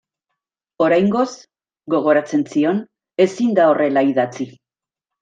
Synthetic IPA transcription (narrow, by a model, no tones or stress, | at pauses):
o̞ɾajŋɡo̞z | ɡo̞ɣ̞o̞ɾat͡se̞nsio̞n | e̞sind̪ao̞re̞laiðat͡si